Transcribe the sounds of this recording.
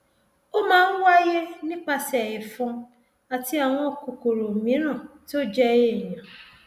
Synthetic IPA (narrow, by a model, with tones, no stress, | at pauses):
o˦mãː˦˧˦wa˦je˦nĩ˦k͡pa˧sɛ˨jɛ˨fũ˧ | a˨ti˧˦a˨w̃ɔ̃˧ɔ˨ko˨ko˨ɾo˨mĩ˨˦ɾ̃ã˦˨ti˦o˦d͡ʒɛ˧je˦˨j̃ã˨